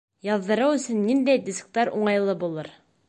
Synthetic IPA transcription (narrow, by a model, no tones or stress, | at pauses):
jɑðːɤ̆ɾɤwɵ̆sɵ̆nːind̪æjd̪ʲisk̚t̪ɑɾuɴɑjlˠɤbulˠɤɾ